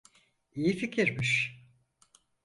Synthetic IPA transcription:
ijificʰiɾmiʃ

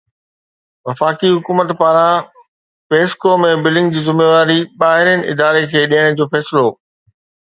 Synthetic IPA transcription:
ʋɐfaːkiɦʊkuːmət̪paːɾã | peːskomẽbɪlɪ̃ŋɡd͡ʑiːzɪmeːʋaːɾiɓaːɦɪɾjənɪ̆ɪ̰d̪aːɾekʰeːɗiːəɽ̃̆d͡ʑoːfɛːsɪloː

